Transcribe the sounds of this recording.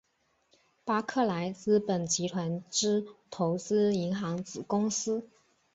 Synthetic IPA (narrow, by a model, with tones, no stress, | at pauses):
pa˥kʰɤ˥˩la˧˥ɪt͡sɹ̩˥pə˨˩nt͡ɕi˧˥t̪ʰwa˧˥nʈ͡ʂɻ̩˥t̪ʰo˧˥ʊt͡sɹ̩˥i˧˥ŋxɑ˧˥ŋt͡sɹ̩˨˩kʊ˥ŋs̩˥